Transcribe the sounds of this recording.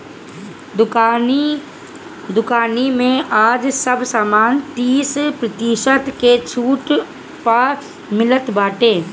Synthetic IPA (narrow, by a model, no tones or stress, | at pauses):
d̪ʊkaːnimẽaːd͡ʒsəbsaːmaːnt̪iːspɾət̪iʃət̪ket͡ʃʰuːʈ | pa | mɪlət̪baːʈeː